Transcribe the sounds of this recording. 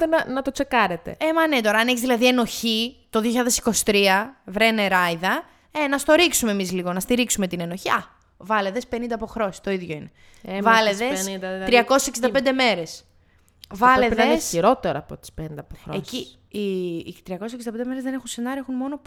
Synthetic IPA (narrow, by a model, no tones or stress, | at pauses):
t̪enɐnɐt̪o̞t͡se̞kɐɾet̪ḛemɐne̞t̪o̞ɾɐneçizðilɐðie̞no̞çit̪o̞ðioçiʎɐðesi̥ko̞si̥t̪ɾiɐvɾeneɾɐjðɐ | enɐst̪o̞ɾiksume̞mizliɣo̞nɐst̪iɾiksume̞t̪ine̞no̞çiɐ | vɐle̞ðe̞spe̞nind̪ɐːpoxɾo̞sist̪o̞iðʝoine̞ | vɐleðesɐt̪ɾiɐkoseseksind̪ɐpend̪eme̞ɾe̞s | vɐlleðesçiɾo̞t̪eɾɐ̰ːpot̪i̥spenind̪ɐpoxɾeci | it̪ɾiɐkoseksind̪ɐped̪meɾezðene̞xunse̞nɐɾioe̞xunmo̞no̞p